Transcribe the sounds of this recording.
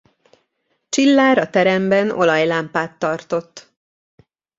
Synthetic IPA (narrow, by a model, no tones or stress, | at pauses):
t͡ʃilːaːɾɒt̪ɛɾɛmbɛno̞̰lɒjlaːmpaːt̪ːɒrt̪o̞t̪ː